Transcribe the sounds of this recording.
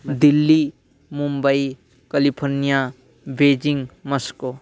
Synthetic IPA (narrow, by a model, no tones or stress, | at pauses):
d̪ilːi | mumbəi | kɐlipʰoɾnija | beːd͡ʒiŋməsko